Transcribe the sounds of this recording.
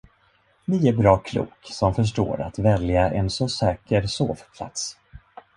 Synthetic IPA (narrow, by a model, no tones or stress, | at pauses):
nɪæɾbɾɑːkʰlṵːksɔmfœʂ̬ʈo̰ːɾa̰t̪vɛljaʔɛnsɔsɛːkəɾso̰ːvpʰla̰t̪s